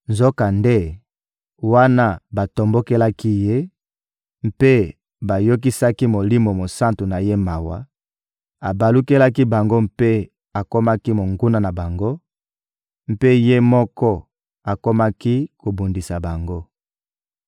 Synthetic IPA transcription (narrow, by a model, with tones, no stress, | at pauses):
nzo˦ka˨nde˦ | wa˦na˦ba˨to˨mbo˦ke˦la˦ki˦je˦ | m̩˦pe˦ | ba˨jo˦k̬i˦sa˦ki˦mo˨li˦mo˨mo˨sa˦ntu˨na˨je˦ma˨wa̰˨ | a˨ba˨lu˦ke˦la˦ki˦ba˨ŋɡo˦mpe˦ | a˨ko˦ma˦ki˦mo˨ŋɡu˦na˦na˨ba˨ŋɡo˦ | m̩˦pe˦je˦mɔ˦kɔ˦ | a˨ko˦ma˦ki˦ko˨bu˨ndi˨sa˨ba˨ŋɡo˦